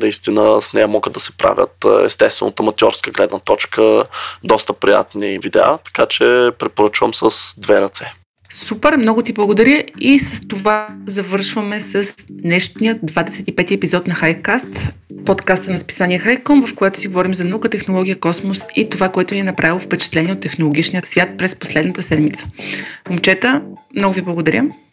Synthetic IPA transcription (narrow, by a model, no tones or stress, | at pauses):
nɐist̪inəsnɛjɐmɔɡəd̪d̪ɐsɛ̥pɾa̰vʲjə̰t̪ɛ̰st̪ɛst̪vɛ̰not̪əmɐt̪ʲjɔɾskəɡlɛd̪nət̪ɔt͡ʃkəd̪ɔst̪əpɾija̰t̪nivid̪ɛ̰a̰t̪ɐ̥kat͡ʃɛpɾɛpoɾət͡ʃvəmsəsd̪vɛɾɐt̪sɛ | supɛɾmnɔɡʊt̪iblˠɐɡod̪ɐɾʲjəisəst̪ovazɐvɤɾʃvəmɛsəsd̪nɛʃnijəd̪vad̪ɛsɛt̪ipɛt̪iɛpizɔt̪nɐxajkast̪pot̪kast̪ənɐspi̥sanʲiɛxajkɔmvɐfkojɛt̪ʊ̥siɡovɔɾimzɐnɐukət̪ɛxnolˠɔɡʲijəkɔsmosit̪ovakoɛt̪ʊniɛnɐpɾavilˠofpɛt͡ʃɛ̥t̪lɛniɛot̪ːɛxnolˠoɡ̟ʲit͡ʃnijəsvʲjat̪̚pɾɛsposlɛd̪nət̪əsɛd̪mit̪sə̥momt͡ʃɛt̪əmnɔɡʊviblˠɐɡod̪ɐɾʲə